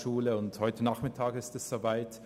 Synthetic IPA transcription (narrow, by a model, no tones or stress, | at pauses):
ʃuːləʊnthɔʏtənaχmɪtʰaːɡɪstɛsz̥oːvaɪt